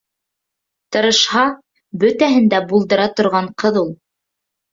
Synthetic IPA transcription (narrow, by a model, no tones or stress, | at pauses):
t̪ɤ̆ɾɤ̆ʃhɑ | bɵt̪æɦɘ̆nd̪æbulˠd̪ɤ̆ɾɑt̪ŏɾʁɑɴqɤðulˠ